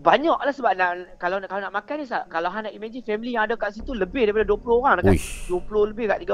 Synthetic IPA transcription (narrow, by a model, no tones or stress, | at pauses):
baɲɔʔlahsəbap̚naʔkalawkalanaʔmakajdis̬akalawɦanaʔimãd͡ʒifɛmilijaŋadakaʔsit̪uləbɪhdaɾipadaduəpulʊhoɾaŋdakaduəpulohləbɪhkaʔt̪iɡa